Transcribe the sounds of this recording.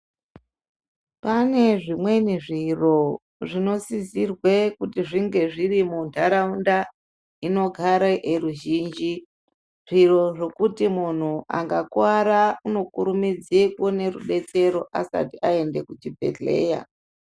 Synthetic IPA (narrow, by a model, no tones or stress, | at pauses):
pane̞ʐimwe̞niʐiro̞ | ʐino̞sizirwekutiʐiŋɡe̞ʐiɾimundʰʱaɾaunda | ino̞ɡʱaɾaʔeɾuʒiːnd͡ʒi | ʐ̥iro̞ʐo̞kutimun̤uʔa̰ŋɡakwaɾauno̞kuɾumid͡zikwone̞rṵɗe̞t͡se̞ɾo̞ʔa̰sa̰tiʔae̞nde̞kut͡ʃibʱe̞̰ɮe̞̰ːja̰